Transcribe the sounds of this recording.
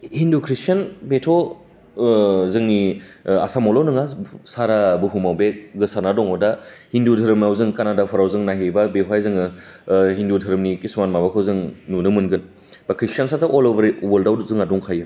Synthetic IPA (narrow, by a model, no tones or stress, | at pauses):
hindukʰɾistanbetʰɔ | zɯŋnia̰samɔlɔwnɯŋasaɾabɯɦumawbeɡɯsanadɔŋɔdahindudʰʱɯɾɯmawzɯŋkanadapʰɔɾawzɯŋnaɦebabeɦwajzɯŋɯɦindudʰʱɯɾɯmnikismanmabakʰɯwzɯŋnunɯmɯnɡɯn | b̥akʰɾistansataʔɔloɾwəldawdzɯŋadɔŋkʰajɯ